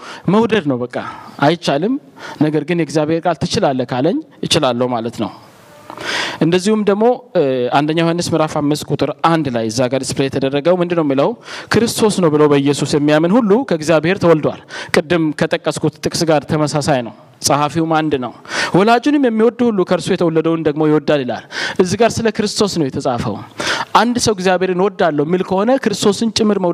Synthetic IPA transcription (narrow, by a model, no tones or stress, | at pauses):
məwd̪əd̪nəwbəkʼːa̰ajt͡ʃːalɨmnəɡəɾɡɨnjɛɡzjaβhe̞ɾkʼalt̪ʰɨt͡ʃɪlalːəkʰaləɲːjɪt͡ʃɪlalːəwumalət̪nə̰w | ʔɨnd̪əzːihumd̪əɡmo̞and̪əɲːahanːɨsmɨɾafamːɨskʼut̪ʼɨɾʔand̪lajɨzːaɡaɾisplejɛt̪ʰəd̪ərːəɡəwmɨnd̪ɨnːəwmːiləwkʰɨɾɨst̪ʰo̞snəwbɨləwbəjːɛsusjɛmːijamənhulːukʰəɡzijabhe̞ɾt̪ʰəwɔld̪wa̰lkʼɨd̪ːɨmkʰət̪ʼəkʼːəskʰut̪t̪ʼːɨkʼsɡaɾt̪ʰəməsasajnə̰w | sʼəhafiwmand̪nəwwɔlad͡ʒunɨmjɛmːiwɔd̪ːuhulːukʰəɾsujɛt̪ʰəwɔlːəd̪əwnd̪əɡmo̞jɪwɔd̪ːalɪla̰lʔɨzːɨɡaɾsɨləkɨɾɨst̪ʰo̞snəwjɛt̪ʰəsʼafə̰wʔand̪səwɡzijabheɾɨnwɔd̪ːalːəwmːilkʰəho̞nəkʰɨɾɨst̪ʰo̞sɨnt͡ʃʼɪmːɨɾməw